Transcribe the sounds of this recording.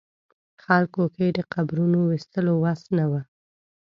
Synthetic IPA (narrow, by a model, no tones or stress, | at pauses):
xalkokejd̪əqabɾunowist̪əlowasnawa